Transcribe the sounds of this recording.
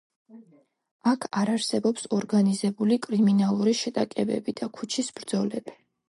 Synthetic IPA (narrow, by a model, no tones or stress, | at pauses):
akʰaɾaɾsɛbɔpsɔɾɡanizɛbulikʼɾiminalˠuɾiʃɛt̪ʼakʼɛbɛ̰bid̪̥akʰut͡ʃʰisbɾd̪zɔlɛbi